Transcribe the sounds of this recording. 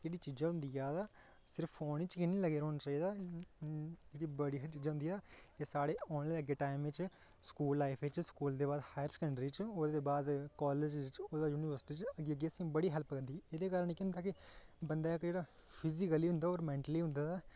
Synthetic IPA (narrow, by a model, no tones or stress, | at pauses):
d͡ʒeːɽiːt͡ʃiːd͡ʒaːɦʊ̃nd̪ijaːd̪aː | sɪɾəpʰːoːniːt͡ʃkɪnĩːləɡeːɾɦoːnat͡ʃaːiːd̪aː | d͡ʒeːɽiːbəɽiːɦət͡ʃiːd͡ʒaːɦʊ̃nd̪iːaːkesaːɽeːɔːnleləɡeːʈaːɪmʋɪt͡ʃskuːlːaːɪpʰet͡ʃskuːld̪eːbaːd̪haːjəɾskəɳɖɾiːt͡ʃoːd̪eːbaːd̪kɔːleːd͡ʒt͡ʃoːeaːjuːniʋəɾsɪ̥ʈiːt͡ʃəɡiəɡeːəsĩːbəɽiːɦɛlpkəɾd̪iːeːd̪eːkaːɾənekɪʊnd̪aːkɪbənd̪aːɪkd͡ʒeːɽaː | pʰɪzikəliːɦʊ̃nd̪aːoːɾmɛ̃ːɳʈəliːɦʊ̃nd̪aːt̪aː